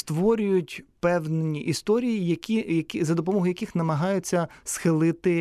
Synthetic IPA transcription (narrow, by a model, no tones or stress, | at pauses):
st̪ʋɔɾʲʊjʊtʲpɛwnenʲiʔist̪ɔɾʲijijɐkʲiɐkʲzɐd̪ɔpɔmɔɦʊjɐkʲɪxnɐmɐɦɑjʊt͡sʲːɐsxɪlˠɪt̪ɪ